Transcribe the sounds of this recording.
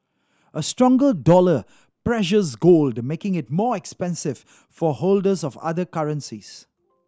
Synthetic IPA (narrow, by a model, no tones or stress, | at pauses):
ʔəstɹɔ̃ŋɡəldɔlə | pɹɛʃəzɡoːldmekɪ̃ŋɪt̚mɔːɛkspɛ̃nsɪv̥ | fɔholdəzɔva̰ðəkaɹə̃nsiz̥